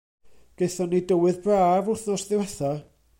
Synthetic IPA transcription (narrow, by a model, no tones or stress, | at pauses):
ɡ̥ejθɔnidəwɨðbraːvʊrθnɔsðɪwɛθa